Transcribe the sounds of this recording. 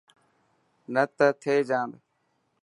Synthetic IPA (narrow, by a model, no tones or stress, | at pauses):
nət̪ət̪ʰeːd͡ʒãːnd̪